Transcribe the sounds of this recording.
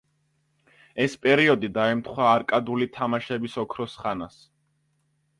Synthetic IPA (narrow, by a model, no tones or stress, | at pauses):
ɛspʼɛɾiɔd̪id̪aɛmt̪ʰχwaːɾkʼad̪ulit̪ʰamaʃɛbisɔkʰɾɔsχanas